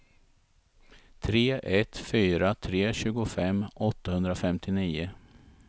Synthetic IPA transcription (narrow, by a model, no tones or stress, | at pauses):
t̪ʰɾeːʔɛt̪fyːɾat̪ʰɾeːɕʉ̟ːɡʊfɛmːɔt̪ːahɵnd̪ɾafɛmt̪ʰɪniːʊ